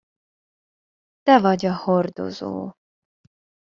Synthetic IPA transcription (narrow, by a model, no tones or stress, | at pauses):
t̪ævɑd̪ʲɑhord̪o̰zo̰ː